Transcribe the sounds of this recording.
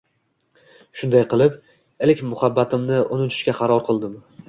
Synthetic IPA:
ʃʊnd̪ajqɨlˠɪp | elkʲmʊhabːat̪ʰɪmnɪʔonɪt̪ʰʊ̥ʃkʲaqʰɑɾɒɾqʰɨlˠd̪ɪm

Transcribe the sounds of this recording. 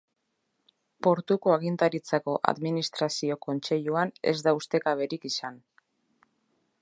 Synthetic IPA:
po̞ɾt̪uko̞aɣint̪aɾit͡sako̞ʔa̰ðminist̪ɾasio̞ko̞nt͡se̞ʎuane̞̰zd̪aust̪e̞kaβe̞ɾikisan

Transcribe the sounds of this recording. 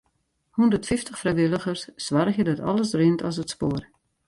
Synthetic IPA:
hundətfɪftəχfrɛjʋɪlˠəɣərsːʋarəxjədɔtɔ̰lˠəsrɪntʰɔs̬ətspoːər

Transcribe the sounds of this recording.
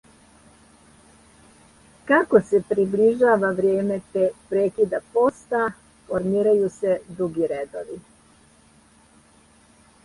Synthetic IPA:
kako̞se̞pɾibliʒaːʋaʋɾjeːme̞t̪epɾeːkid̪apo̞st̪a | foɾmiːɾajuse̞d̪ɾuɡiɾed̪o̰ʋi

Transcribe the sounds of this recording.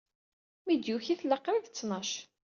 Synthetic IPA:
mid̪juçiθləqːɾiðt͡sːnɑʃ

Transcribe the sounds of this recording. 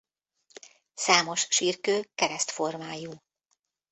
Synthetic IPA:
saːmo̞ʃʃiːrkøːkɛɾɛst̪fo̞rmaːjuː

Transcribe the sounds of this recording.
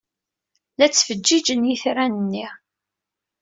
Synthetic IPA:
læt͡sːfəd͡ʒd͡ʒːid͡ʒənjiθɾænənːi

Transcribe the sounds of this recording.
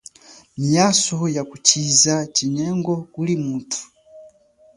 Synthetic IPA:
miasɔjakut͡ʃizat͡ʃiɲɛŋɡɔkulimutʰu̥

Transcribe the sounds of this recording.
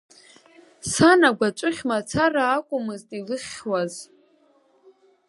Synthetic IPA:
sanaɡʷat͡ʃʷʼʊχʲmat͡sʰaraːkʷʼʊmɨztʼilɨχʲwaz

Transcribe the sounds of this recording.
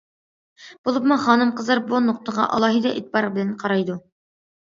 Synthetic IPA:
b̥ulˠɤp̚mɤχɑnɤmqɤ̆zɑɾbunuqt̪ɤ̆ʁɑ̰ʔɑ̰lˠɑɦɤd̪ɑʔit̪̚pɑɾbɘ̆lænqɑɾɑjd̪u

